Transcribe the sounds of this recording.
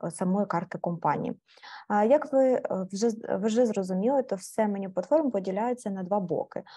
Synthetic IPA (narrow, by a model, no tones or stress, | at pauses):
sɐmɔjikɑrt̪ɪkɔmpɑnʲḭjḭ | jɐkʋɪʒɛʋʒɛzrɔzʊmʲilˠɪt̪ɔwsɛmenʲiplˠɐt̪fɔrmpɔdʲilʲajʊt͡sʲːɐnɐd̪ʋɑbɔ̰kɪ̰